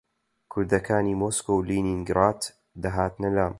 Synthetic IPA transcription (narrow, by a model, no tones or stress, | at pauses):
kʰʊɾd̪ɐkʰaːniːmoːskowliniŋɡɾaːt̪ | d̪ɐɦaːt̪nɐlaːm